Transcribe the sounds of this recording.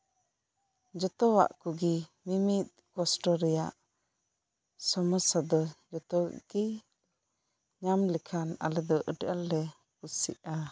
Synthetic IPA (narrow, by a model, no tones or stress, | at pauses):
d͡ʒɔt̪ɔwa̰ʔkuɡimimit̪̚kɔsʈɔɾɛjaʔ | sɔmɔsad̪ɔd͡ʒɔt̪ɔ̰ɡ̥i | ɲamlɛkʰana̰lɛd̪ɔʔəʈalːɛ | kusḭʔa